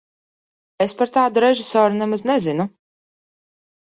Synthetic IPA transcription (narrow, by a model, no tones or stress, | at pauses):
espaɾt̪aːd̪uɾɛʒɪsɔːɾunɛmaznɛzɪnu